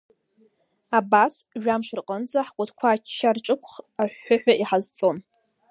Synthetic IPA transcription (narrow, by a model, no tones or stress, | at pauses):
abasʒᶣamʃɨrqʼənd͡zʼaħkʷʼʊtʰkʷʰaːt͡ʃʰːarʈ͡ʂʼɨkʷʰʼχaħːaħᶣʷaʔiħazt͡sʼo̞n